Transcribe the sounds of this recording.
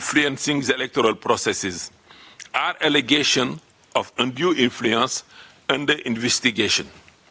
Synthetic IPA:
nfluə̃nsĩŋzelɛk̚tɔɾəlpɾɔsɛsɪz | aɾɛleɡeʃə̃n | ʔɔfə̃ndjuʔĩnfluə̃ns | ə̃ndəʔĩnvɛstiɡeʃə̃n

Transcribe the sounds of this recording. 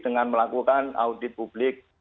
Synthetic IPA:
d̥əŋanməlakukana̰udit̪̚pub̥lɪk̚

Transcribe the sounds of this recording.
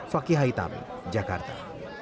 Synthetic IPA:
fɐkiɦait̪a̰mḭ̃ | d͡ʒɐkɐɾt̪a̰

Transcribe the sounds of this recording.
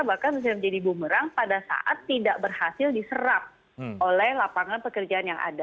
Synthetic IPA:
bahkalsus̬ajaməɲd͡ʒadibuməɾaŋpadasa̰ʔat̪ːidaʔbərhasɪldisəɾap̚ | ʔolɛhlapaŋanpəkərd͡ʒaanjaŋa̰da

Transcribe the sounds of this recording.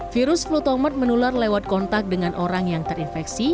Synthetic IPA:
fiɾʊsflut̪ɔmat̪̚mənularlewat̪̚kɔnt̪ak̚dəŋanʔoɾaŋjaŋt̪ərinfɛksi

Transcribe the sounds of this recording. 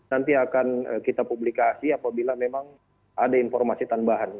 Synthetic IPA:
nant̪iakanə̰kit̪apublikasiapabilamemaŋ | ʔadainfɔrmasit̪anbaɦan

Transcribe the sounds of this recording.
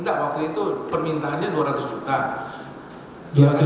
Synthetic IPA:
ndaʔwak̚t̪uit̪upərmint̪aɦanɲaduaɾat̪ʊsd͡ʒut̪a | diaat̪

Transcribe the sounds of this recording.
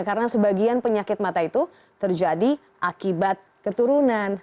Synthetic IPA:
kaɾənasəbaɡianpəɲakɪt̪̚mat̪ait̪u | t̪ərd͡ʒadi | ʔakibat̪̚ | kət̪uɾunan

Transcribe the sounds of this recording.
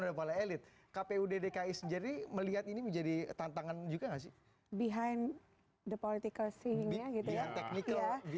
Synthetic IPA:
odapalaelɪt̪̚ | kapeudedekaisd͡ʒadiməliɦat̪iniməɲd͡ʒadit̪ant̪aŋand͡ʒuɡaŋasɪ | biɦajn | dəpɔlit̪ikəlsejɪŋbiaɡit̪ujaŋt̪ɛknikəla

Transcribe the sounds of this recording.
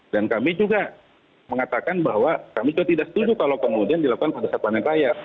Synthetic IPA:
dankamid͡ʒuɡa | məŋat̪akanbaɦwakamid͡ʒuɡat̪idaʔsə̥t̪ud͡ʒukalokəmudiandilaku̥kanpadasapanaŋraja

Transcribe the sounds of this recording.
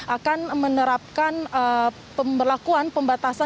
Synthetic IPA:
ʔakanmənəɾap̚kanə | pəmbərlakuanpəmbat̪asa

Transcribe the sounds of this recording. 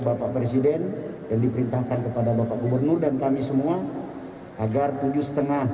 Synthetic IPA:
bapaʔpɾesidɛnjaŋdipəɾint̪ahkankəpadabapaʔɡubərnʊrdankamisəmua | ʔaɡart̪ud͡ʒusə̥t̪əŋa

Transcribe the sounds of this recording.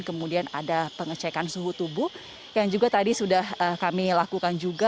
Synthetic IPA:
nkəmudianadapəŋət͡ʃɛkansuɦut̪ubu | jaŋd͡ʒuɡat̪adisudahəkamilakukand͡ʒuɡa

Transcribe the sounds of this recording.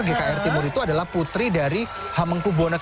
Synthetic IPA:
rɡekaɛrt̪imuɾit̪uadalahput̪ɾidaɾi | haməŋkubonək

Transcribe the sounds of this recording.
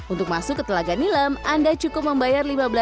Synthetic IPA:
ʔunt̪ʊk̚masʊkːət̪əlaɡanilamandat͡ʃukʊp̚məmbajarlimabəla

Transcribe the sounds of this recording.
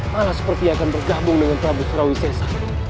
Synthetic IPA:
malasə̥pərt̪iaːkanbərɡabʊŋdəŋanpɾabʊt̪̚ɾawisɛsa

